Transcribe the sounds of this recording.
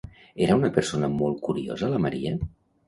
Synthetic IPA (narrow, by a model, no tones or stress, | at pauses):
eɾəunəpəɾsonəmolˠt̪̚kuɾio̰zələməɾiə